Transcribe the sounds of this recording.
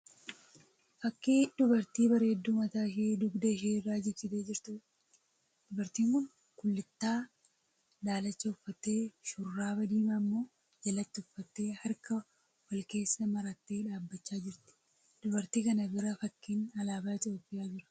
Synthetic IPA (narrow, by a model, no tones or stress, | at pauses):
fɐkːiːᶑ̪ʊbɐɾt̪iːbɐɾe̞ːd̪ːuːmɐt̪aːʃeːd̪ʊɡd̪ɐʃeːrːaːd͡ʒɛt͡ʃːɪt̪eːd͡ʒɪɾt̪ʊ | d̪̥ʊbɐɾt̪iːŋkʊn | kʊlːɪt̪ːaː | d̪aːlɐt͡ʃːɐʊfːɐt̪ːe̞ːʃʊrːaːbɐd̪iːmɐmːo̞ː | d͡ʒɐlɐt̪ːɪʊfːɐt̪ːe̞ːhɐɾkɐ | wɐlke̞ːsːɐmɐɾɐt̪ːe̞ːᶑaːbːɐt͡ʃːaːd͡ʒɪɾt̪ɪ̥ | d̪̥ʊbɐɾt̪iːkɐnɐbɪɾɐfɐkːiːnɐlaːbaːt̪ɪoːpːɪʔaːd͡ʒɪɾɐ̥